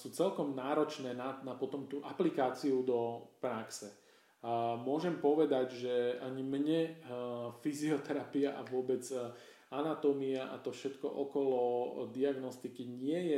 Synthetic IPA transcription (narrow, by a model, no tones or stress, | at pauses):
suːt͡sɛlkɔmnaːɾɔt͡ʃnɛːnanapɔt̪ɔmt̪uːʔaplikaːt͡siud̪ɔpɾaksɛ | mʊɔʒɛmpɔʋɛd̪aɟʒɛaɲimɲɛ | fiziɔt̪ɛɾapiaʔaʋʊɔbɛd͡z | anat̪ɔmiaʔa̰t̪ɔfʃɛt̪kɔ̰ʔɔkɔlɔd̪iaɡnɔst̪ikiɲɪɛjɛ